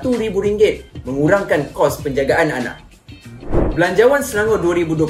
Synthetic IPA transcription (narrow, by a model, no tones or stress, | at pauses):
t̪uɾibuɾiŋɡɪt̪̚mə̃ŋuɾaŋkankɔspəɲd͡ʒaɡaʔananã̰k̚ | bəlaɲd͡ʒawansənaŋɔduaɾibudua